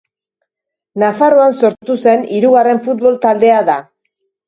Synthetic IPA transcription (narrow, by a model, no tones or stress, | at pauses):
nafaro̞anso̞ɾtt̪use̞niɾuɣare̞ɱfut̪βo̞lt̪ald̪e̞aða